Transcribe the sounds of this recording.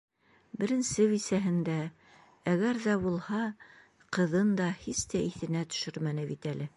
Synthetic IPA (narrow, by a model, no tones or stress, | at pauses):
bɘ̆ɾɘ̆nsɘβisæɦɘ̆nd̪æ | æɣæɾðæbulˠhɑ | qɤ̆ðɤnd̪ɑhist̪æʔiθɘ̆næt̪ɵ̥̆ʃɵɾmænɘβit̪ælɘ